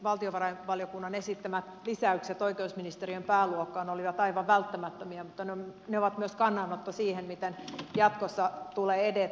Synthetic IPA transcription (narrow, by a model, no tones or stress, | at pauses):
ʋɑlt̪ioʋɑrɑiʋɑljokunːɑnesit̪ːæmæt̪lisæykset̪oikeusminist̪eriømpæːluokːɑːneoliʋɑt̪ɑiʋɑʋʋælt̪ːæmæt̪ːømiæmut̪ːɑneoneoʋɑt̪myøskɑnːɑnot̪ːɑsiːhemmit̪enjɑt̪kosːɑt̪uleːede